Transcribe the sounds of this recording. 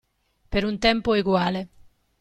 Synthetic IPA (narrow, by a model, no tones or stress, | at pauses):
peɾunt̪ɛmpoeɡwaːle